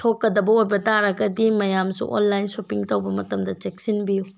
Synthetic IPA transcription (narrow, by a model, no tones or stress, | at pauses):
tʰokːɐdɐbɐojbɐtaɾɐɡɐdimɐjamsṵʔo̰nlajnsopiŋtɐwbɐmɐtɐmdɐt͡ʃek̚sinbiju